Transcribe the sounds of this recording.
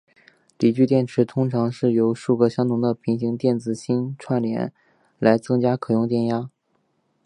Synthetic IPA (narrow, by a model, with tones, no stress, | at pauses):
li˨˩t͡ɕy˥˧t̪jɛ˥˩nʈ͡ʂʰɻ̩˧˥t̪ʰʊ˥ŋʈ͡ʂʰɑ˧˥ŋʂɻ̩˥˩jo˧˥ʊʂu˥˧kɤ˥˧ɕjɑ˥ŋt̪ʰʊ˧˥ŋd̪ə˧pʰi˧˥ŋɕi˧˥ŋt̪jɛ˥˩nt͡sɹ̩˨˩ɕi˥nʈ͡ʂʰwa˥˩nljɛ̰˧˥n | la˧˥ɪt͡sɤ˥ŋt͡ɕja˥kʰɤ˨˩jʊ˥˧ŋt̪jɛ˥˩nja˥